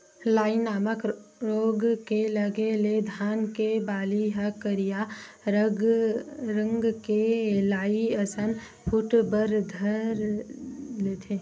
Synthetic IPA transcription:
laːinaːməkɾoːɡkeləɡeled̪ʱaːnkebaːliɦəkəɾija | ɾə̃ŋɡkelaːiəsən | pʰʊʈbəɾd̪ʱəɾ | let̪ʰeː

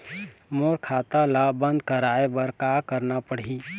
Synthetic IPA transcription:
moːɾkʰaːt̪alabə̃nd̪̚kəɾaːebəɾkaːkəɾnapəɽ̤i

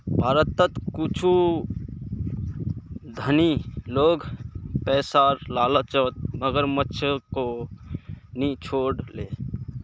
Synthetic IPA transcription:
bʱaːɾət̪ːət̪kut͡ʃʰu | d̪ʱəniloːɡpɛːsaɾlaːlət͡ʃət̪̚məɡəɾmətːʃʰəko | nit͡ʃʰoːɽle

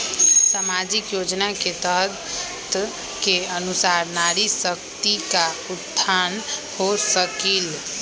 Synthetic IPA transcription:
samad͡ʒikjod͡ʒnaket̪ə | t̪ | keənusaɾnaɾisək̚t̪ikaut̪ʰːanhosəkil

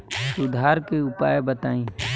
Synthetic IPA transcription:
sʊd̪ʱaːɾkeʊpaːjbət̪aːĩː

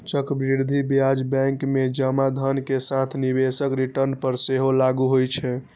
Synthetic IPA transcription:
t͡ʃəkbɾiɾd̪ʱibjad͡ʒbɛ̃ŋkmed͡ʒəmad̪ʱənkesãt̪ʰnibesəkɾiʈəɾnpəɾseɦolaɡuɦojt͡ʃʰɛ

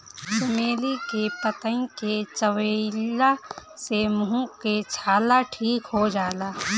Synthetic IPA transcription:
t͡ʃɪmeːlikepət̪ə̃nket͡ʃəwəlasemuũket͡ʃʰaːlaʈʰiːkɦod͡ʒaːlaː

